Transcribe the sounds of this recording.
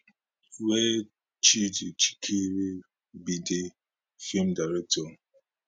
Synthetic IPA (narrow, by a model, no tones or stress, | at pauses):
we | t͡ʃidet͡ʃi̥kʰeɾe | bide | fim̩daɾɛk̚tɔ